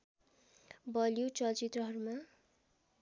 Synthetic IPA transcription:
bʌlijut͡sʌlt͡sit̪rʌɦʌɾuma

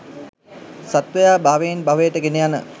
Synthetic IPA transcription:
sat̪ʋəjaːbaːʋejːnbaʋəjəʈəɡenejanə̰

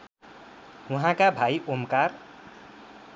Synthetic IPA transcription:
uɦãkabʱajʔomkar

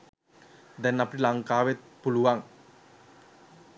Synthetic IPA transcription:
d̪ɛnːapiʈilaŋkaːʋet̪̚puluʋaŋ

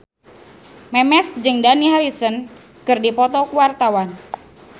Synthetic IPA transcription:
mɛmɛsd͡ʒɨŋdaniɦaɾisən | kɨrdipɔt̪ɔkuwart̪awan

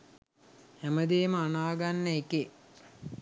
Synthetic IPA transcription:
hæməd̪eːməanaːɡanːəeke

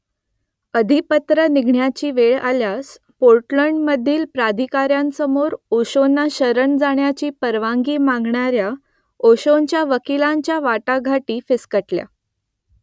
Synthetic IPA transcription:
əd̪ʱipət̪ɾəniɡʱɳjat͡ɕiːʋeɭa̰ljas | poɾʈləɳɖməd̪ʱːiːlpɾad̪ʱikaɾjansəmoɾoɕonːaɕəɾəɳd͡zaɳjat͡ɕiːpəɾʋaŋɡiːmãŋɡɳaɾja | oɕoɲt͡ɕjaʋəkilãɲt͡ɕjaʋaʈaɡʱaʈiːfeskəʈlja̰

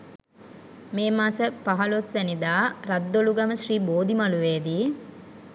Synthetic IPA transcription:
meːmaːsəpaɦɐlosʋɛnid̪aːɾad̪ːoluɡɐməʃriːboːd̪imaluʋeːd̪iː

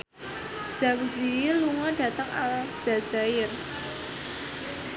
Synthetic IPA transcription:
z̥akziluŋɔɖ̥ä̤t̪əŋald̥ʒ̥a̤z̥aɪr

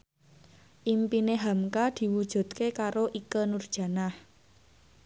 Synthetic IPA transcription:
ʔimpineɦamkad̪̥i̤wud̥ʒ̥ṳd̪̚kekaɾoʔikənurd̥ʒ̥a̤nah

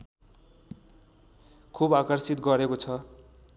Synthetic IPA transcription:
kʰubakʌrsit̪ɡʌɾekot͡sʰʌ

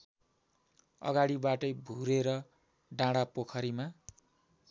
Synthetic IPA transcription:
ʌ̰ɡaɽibaʈʌjbʱuɾeɾʌ | ɖãɽapokʰʌɾima

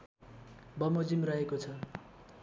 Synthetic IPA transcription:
bʌmod͡zimrʌɦekot͡sʰʌ

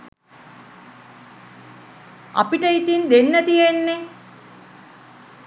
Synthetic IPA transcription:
a̰piʈəit̪ind̪enːət̪ijenːe

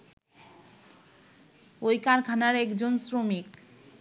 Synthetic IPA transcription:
ojkaɾkʰanaɾɛkd͡ʑonsɾomik

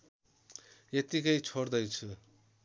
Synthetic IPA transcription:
jet̪ikʌjt͡sʰord̪ʌjt͡sʰu

